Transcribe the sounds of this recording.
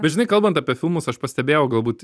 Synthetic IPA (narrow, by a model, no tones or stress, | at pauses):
bʲɛt̪ʒʲɪnɐɪkɐlˠbɐnt̪ɑːpʲiɛfʲɪlˠmʊsɐʃpɐsʲt̪ʲɛbʲeːjɛʊɡɐlˠbuːt̪